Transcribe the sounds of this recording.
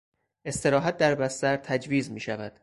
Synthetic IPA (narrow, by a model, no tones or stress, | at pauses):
ʔe̞st̪e̞ɾɒːɦæt̪̚d̪æɾbæst̪æɾt̪ʰæd͡ʒviːzmiːʃævæd̪̥